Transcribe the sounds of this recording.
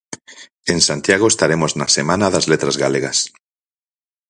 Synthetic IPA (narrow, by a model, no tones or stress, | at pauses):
ensant̪jaɣ̞oest̪aɾemoznasemãnaðazlet̪ɾazɣaleɣas